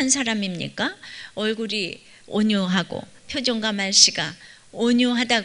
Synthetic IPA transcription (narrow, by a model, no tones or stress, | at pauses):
ansʰaɾamimɲḭk͈aʌɭɡuɾi | oɲuɦaɡo̰ | pʰjod͡ʑoŋɡamaɭɕ͈iɡa | oɲuɦada